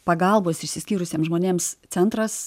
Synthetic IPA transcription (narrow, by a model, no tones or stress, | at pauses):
pɐɡɐlˠboːsɪʃʲsʲɪsʲkʲiːɾʊsʲeːmsʒmoːnʲeːmst̪sʲɛnt̪ɾɐs